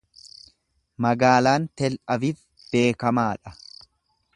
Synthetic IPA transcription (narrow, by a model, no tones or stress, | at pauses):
mɐɡaːlaːnt̪ɛlʔɐvif | b̥e̞ːkɐmaːᶑɐ